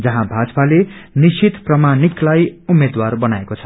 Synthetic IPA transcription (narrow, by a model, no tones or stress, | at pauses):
d͡zʌɦãbʱad͡zpalenisit̪prʌmaniklajumːed̪warbʌnaekot͡sʰʌ̥